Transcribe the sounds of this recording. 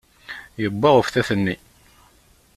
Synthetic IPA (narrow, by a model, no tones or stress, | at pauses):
jəbːɑʁəfθæθənːi